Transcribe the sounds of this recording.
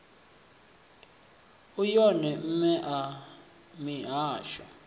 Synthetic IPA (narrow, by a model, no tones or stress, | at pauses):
ujɔnɛm̩mɛʔa | miɦaːʃwa̰